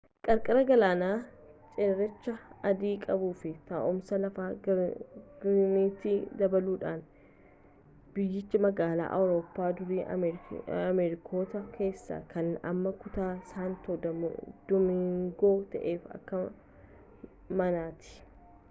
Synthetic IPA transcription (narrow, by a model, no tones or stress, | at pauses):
kʼɐɾkʼɐɾɐɡɐlaːnaː | t͡ʃʼeːɾɛt͡ʃːɐɐd̪iːkʼɐbuːfɪt̪ɐʔɔmsɐlɐfaː | ɡ̥ɪɾniːt̪iːd̪ɐbɐluːᶑaːn | b̥ɪjːɪt͡ʃːɪmɐɡaːla̰ːʔɐ̰wɾo̞ːpːaːd̪ʊɾiː | ɐmɛɾɪkʰo̞ːt̪ɐkʰe̞ːsːa̰ːkʰɐnɐ̰mːɐkʊt̪aːsaːnt̪oːd̪d̪̥ʊmɪŋɡo̞ːt̪ɐ̰ʔe̞ːfɐ̰kːɐ | mɐnaːt̪ɪ̥